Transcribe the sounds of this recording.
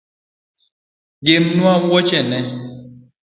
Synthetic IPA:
ɡemnuawɔt͡ʃɛnɛ

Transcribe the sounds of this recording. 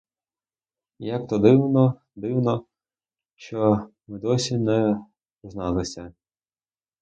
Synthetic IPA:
jak̚t̪ɔd̪ɪwnɔ | d̪ɪwnɔ | t͡ʃɔ | mɪd̪ɔsʲinɛ | znɑlˠɪsʲɐ

